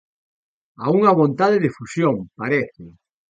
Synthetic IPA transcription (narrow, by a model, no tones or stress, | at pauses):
a̰uŋaβont̪aðeðefusjompaɾeθɪ